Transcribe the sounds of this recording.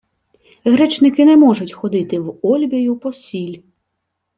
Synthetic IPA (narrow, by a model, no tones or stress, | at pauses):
ɣɾɛt͡ʃnɪkɪnɛmɔʒʊtʲxɔd̪ɪt̪ɪwɔlʲbʲɐjʊpɔsʲilʲ